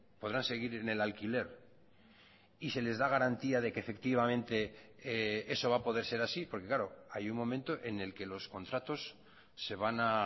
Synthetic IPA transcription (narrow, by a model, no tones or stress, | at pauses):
po̞ðɾanse̞ɣ̞iɾene̞lalkile̞ɾ | ise̞le̞zðaɣ̞aɾant̪iað̞e̞keːfe̞k̚t̪iβ̞amẽ̞nt̪e̞ee̞so̞βapo̞ð̞e̞ɾse̞ɾasipo̞ɾke̞klaɾoajummo̞mẽnt̪o̞ʔe̞ne̞lke̞lo̞sko̞nt̪ɾat̪o̞sː | e̞βana